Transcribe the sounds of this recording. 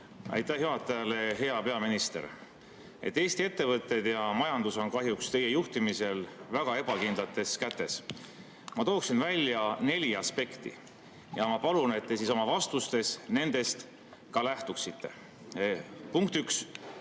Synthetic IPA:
ɑ̰jt̪ːˑæhjyɑt̪ːˑɑjɑle̞ɦe̞ɑpe̞ɑminist̪e̞̰ɾ | e̞̰t̪ːeːst̪ie̞t̪ːe̞vɤt̪ːˑe̞d̪̥jɑmɑjɑnd̪̥uso̞nkɑɦjukst̪e̞je̞juht̪imise̞lvæɡ̥ɑe̞b̥ɑkind̪lɑt̪ːˑe̞skæt̪ːˑe̞s | mɑt̪o̞ːksinvælʲːjɑne̞lʲiɑspe̞kt̪ḭ | jɑmɑpɑlune̞t̪ːe̞siso̞mɑvɑst̪ust̪e̞sne̞nd̪̥e̞st̪ | kɑlæht̪uksit̪ːe̞̰ | puŋk̚t̪yks

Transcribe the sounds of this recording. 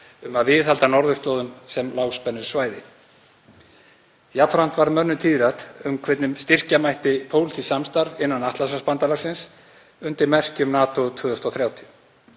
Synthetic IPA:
ʏmaðvɪðhalt̪anɔɾðʏst̪loːwðʏnsɛmlaːwspɛnːʏɾ̥svaːjðɪ | japʰfɾan̥t̪vaɾmœnːʏt̪ʰiːðɾat̪ʏmkʰvɛt̪nɪmst̪ɪr̥camajht̪ɪpʰowlt̪ʰisamst̪aɾɪnːanaht̪lasaspant̪alaɾ̥sɪns | ʏnt̪ɪɾmɛr̥cʏmnaːt̪ot̪ʰʏːðʏst̪ɔθɾjaːwt̪ʰʏ

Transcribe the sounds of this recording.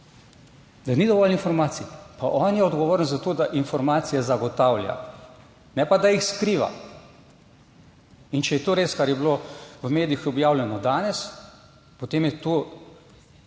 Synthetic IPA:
d̪anid̪ɔʋɔlinfɔɾmaːt̪sipaʔɔːnjɛɔd̪ɡɔʋoːɾənzat̪oːd̪aʔinfɔɾmaːt̪sijazaɡɔt̪aːwlʲja̰ | nɛpad̪ajixskɾiːʋa̰ | int͡ʃɛjɛt̪oːɾeːskaɾjɛbiloʋəmeːd̪iixɔbjaːwljɛnɔd̪aːnɛs | pot̪eːmjɛt̪o

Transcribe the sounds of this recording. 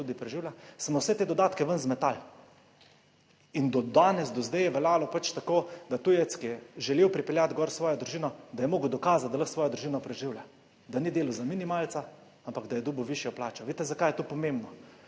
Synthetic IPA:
ud̪ipɾɛʒiːwljasmɔwsɛt̪eːd̪ɔd̪aːt̪kɛʋənzmɛt̪al | ind̪ɔd̪aːnɛsd̪ɔzd̪ɛjɛʋɛlaːlɔpat͡ʃt̪akoːd̪at̪ujɛt̪skiɛʒɛlewpɾipɛljat̪ɡɔɾsʋɔːjɔd̪ɾuʒiːnɔd̪ajɛmoːɡwd̪ɔkaːzat̪d̪alɐxsʋɔːjɔd̪ɾuʒiːnɔpɾɛʒiwlja | d̪anid̪eːlɔzaminimaːlt̪sa | ampaɡd̪ajɛd̪uːbəwʋiʃjɔplaːt͡ʃɔʋet̪ɛzakajɛt̪opɔmembnɔ

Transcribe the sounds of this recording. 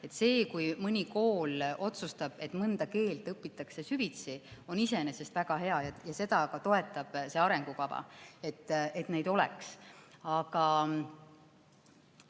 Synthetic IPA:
e̞t̪se̞ːkujmɯnʲiko̞ːlo̞t̪sust̪ɑb̥e̞t̪ːmɯnd̪ɑke̞ːlt̪ˑɤpːit̪ːˑɑkse̞syvit̪sio̞nise̞nese̞st̪væɡ̥ɑɦe̞ɑjɑjɑse̞d̪ɑkɑt̪o̞e̞t̪ːˑɑb̥se̞ɑɾe̞ŋɡ̥ukɑb̥ɑ̰e̞t̪ːˑe̞t̪ne̞jd̪o̞lɛ̰ksɑɡ̥ɑ

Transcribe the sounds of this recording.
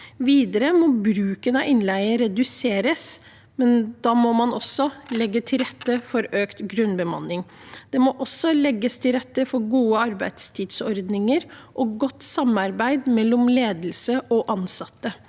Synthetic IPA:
ʋiːd̪əɾəmɔbɾʉːkənɑɪnlæɪəɾɛd̪ʉseːɾəs | mɛnd̪ɑːmɔmɑnɔsːɔlɛɡːət̪ʰɪlɾɛt̪ːəfɔɾøːkt̪ɡɾʉnbəmɑ̰nɪŋ | d̪̥ɛmɔʔɔsːɔlɛɡːəst̪ʰɪlɾɛt̪ːəfɔɾɡuːəɑɾbæɪd̪st̪ʰiːd̪sɔɾd̪nɪŋəɾʔɔɡɔt̪ːsɑmɑɾbæɪd̪mɛlːɔmleːd̪l̩səʔɔʔɑnsɑt̪ːə

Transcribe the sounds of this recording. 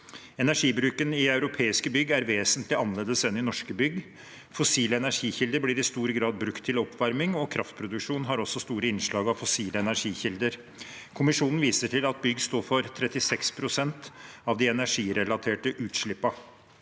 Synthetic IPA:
ɛnæʂiːbɾʉːkənɪɑʉɾʊpʰeːɪskəbʏɡæɾʋeːsənt̪lɪɑnːəleːd̪əsɛnɪnɔʂkəbʏɡ | fɔsiːləɛnæʂiːçɪld̪əɾblɪːɾɪst̪uːɾəɡɾɑːd̪̚bɾʉkt̪ʰːɪlɔpʋæɾmɪŋɔkʰɾɑft̪̚pʰɾʊd̪ʉkʂuːnɦɑɾɔsːɔst̪uːɾəɪnʂɭɑːɡɑʋfɔsiːləɛnæɾʂiːçɪld̪əɾ | kʰʊmɪʂuːnn̩ʋiːsəʈʰɪlɑt̪̚bʏɡst̪oːɾfɔɾt̪ʰɾɛt̪ɪsɛkspʰɾʊsɛnt̪ | ɑʋd̪ɪɛnæʂiːɾɛlɑt̪ʰeːʈəʔʉːt̪ʂɭɪpːɑ

